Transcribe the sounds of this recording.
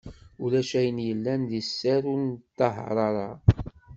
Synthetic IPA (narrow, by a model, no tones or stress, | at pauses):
ulæʃæjənjəlːænðisːæɾunt̪ːɑɦɾˤɑɾˤɑ